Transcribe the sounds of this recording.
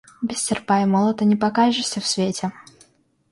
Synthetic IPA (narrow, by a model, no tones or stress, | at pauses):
bʲɪsʲtʲɪrpajmolˠət̪ənʲɪpɐkaʐɨsʲəfsvʲetʲɪ